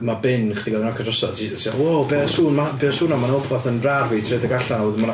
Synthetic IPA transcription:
mabɪnχd̥iɡɔðnɔkʰadrɔsɔtʰitʰiɔwobeːsuːnmabeːsuːnamanɔbʰaθənrarvitʰredəɡaɬanauðman

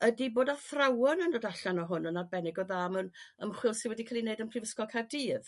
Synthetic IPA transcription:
ədiboːdaθrawɔnəndɔdaɬanɔɦʊnənːad̚bɛnɪɡɔðaːmənəmχwɪlˠsɪnwɛdikʰalˠineɨdənpʰrɪvəskɔlˠkʰardiːð

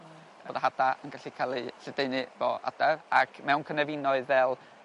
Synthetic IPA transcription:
oːðaɦadaənɡaɬikʰalˠiɬɛdeɨnɨvɔ̰a̰darakʰmɛwnkʰənɛvɪnɔɨðvɛlˠ

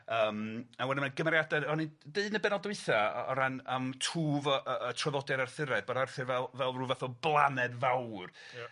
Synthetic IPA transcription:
əːmawɛnəmaɡəmɛɾjadɛɔnideɨdnəbɛnɔlˠdwɨθaɔ̰ɾanamtʰuːvʔətʰrɔðɔdɛɾarθɪɾɛðbodarθɨrvɛlˠvɛlˠruːvaθɔblˠanɛdvawr

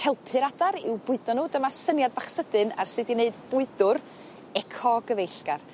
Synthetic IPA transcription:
hɛlˠpʰɨɾadaɾɪwbʊɨdɔnːuːdəmasənjadbaχsədɨna̰rsɨdineɨdb̥ʊɨdʊr | ɛkʰɔɡəvejɬɡ̥ar

